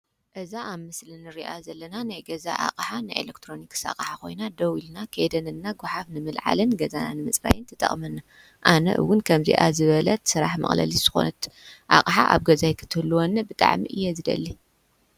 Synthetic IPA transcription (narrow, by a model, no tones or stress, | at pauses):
ʔɨzaʔamɨslɨnɨɾiʔazɐlːɐnanajɡɐza̰ʔa̰qʼħanajʔḛlekt̪ʰɾo̞niksa̰qʼħako̞̰jnad̪ɐwilnakʰed̪ɐnɨnːaɡʷʊħafnɨmɨlʕa̰lɨnɡɐzananɨmɨt͡sʼɾa̰jɨnt̪ʰɐt̪ʼɐ̰χʼmɐnːa | ʔanɐ̰ʔɨ̰wːʊnkʰɐmzḭʔazɨβɐlɐt̪sɨɾaħmɐ̰χʼlɐ̰liz̥ɨxo̰nɐt̪ʔa̰kʼħa̰ʔa̰βɡɐzajkʰɨ̥t̪ʰɨhɨlːuwonːɐbɨt̪ʼa̰ʕmḭʔɨjːɛzɨd̪ɐ̰lːi